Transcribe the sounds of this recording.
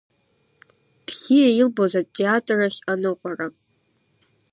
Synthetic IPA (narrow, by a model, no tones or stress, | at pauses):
b̥ʰzijailbozatʼːeatʼraʃanɨqʷʼara